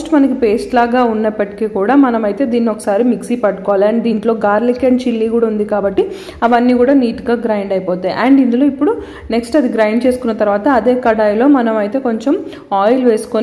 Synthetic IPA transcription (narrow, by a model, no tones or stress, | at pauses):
sʈmɐnɐkipe̞ːsʈlaːɡaːunːɐpːɐʈi̥kiːkuːɽaːmɐnɐmɐjt̪e̞ːd̪iːnːiɔkɐ̥saːɾimiksiːpɐʈːukɔːʋaːliɐɳɖd̪iːɳʈlo̞ːɡaːɾlikːeɳɖt͡ʃilːiːkuːɽaːund̪ikaːbɐʈːi | ɐʋɐnːiːkuːɽaːniːʈuɡaːɡɾɐjɳɖɐjpɔːt̪aːjiʔɐɳɖind̪ulo̞ːipːuɽu | ne̞ksʈɐd̪iɡɾɐjɳɖt͡ʃe̞ːsu̥kunːɐt̪ɐɾʋaːt̪ɐːd̪e̞ːkɐɽaːjlo̞ːmɐnɐmɐjt̪e̞ːkoɲt͡ʃem | aːjlʋe̞ːsu̥kon